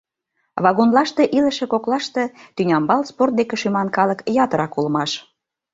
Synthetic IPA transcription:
βɑɣonlɑʃt̪eʔilə̆ʃĕkoklɑʃt̪ĕt̪ynʲɑmbɑlsport̪̚d̪ekĕʃymɑnkɑləkjɑt̪əɾɑkuləmɑʃ

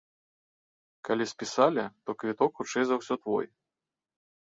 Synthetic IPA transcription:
kalʲisʲpʲisalʲɛt̪ɔkvʲit̪ɔkxut͡ʂɛjzawsʲɔt̪vɔ̰j

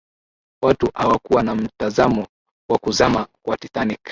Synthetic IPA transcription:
watuʔhawakuwanam̩tazamɔ | wakuzamakwatiθanik

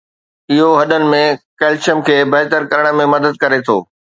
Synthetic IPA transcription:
ɪɦoɦɐɗənɪ̆mẽkeːlt͡ɕəmkʰeːbɐɦɪt̪əɾkɐɾəɽ̃ə̆mẽmɐd̪əd̪̚kɐɾet̪ʰoː

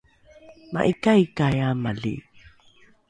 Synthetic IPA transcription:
ma̰ʔikajkajamalḭ

